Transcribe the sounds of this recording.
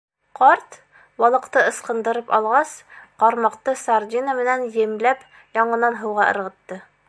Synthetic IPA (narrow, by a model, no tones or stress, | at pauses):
qɒɾt̪ | wɒlˠɤ̆qt̪ɤɤ̆sqɤ̆nd̪ɤ̆ɾɤpɒ̰lˠʁɑsqɒɾmɑqt̪ɤsɑɾd̪ʲinəmɘ̆nænjɘ̆mlæp | jɒɴɤ̆nɑnɦɤ̆wʁɑʔɤ̰̆ɾʁɤ̆t̪ːɤ